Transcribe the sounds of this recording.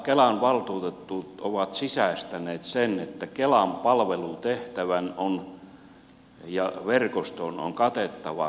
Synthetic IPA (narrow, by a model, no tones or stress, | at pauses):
kelɑnʋɑlt̪uːt̪et̪ːuːt̪oʋɑt̪sisæst̪æneːt̪senet̪ːækelɑmpɑlʋelut̪eht̪æʋænon | jɑʋerkost̪ono̰ŋkɑt̪et̪ːɑʋɑ̰